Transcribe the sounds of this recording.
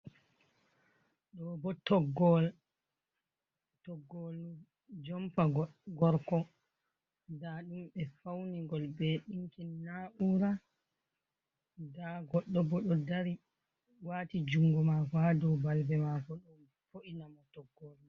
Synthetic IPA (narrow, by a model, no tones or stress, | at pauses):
ɗɔbɔtɔɡɔl | tɔɡːol | d͡ʒɔmpaɡɔɾkɔ | daɗumɛfawniŋɡɔlbɛɗiŋkinnːaʔuɾa | daɡɔɗːɔbɔɗɔdaɾi | waːtid͡ʒuŋɡɔmakadɔwbalbɛmakɔɗum | foʔinamɔtɔɡːɔlu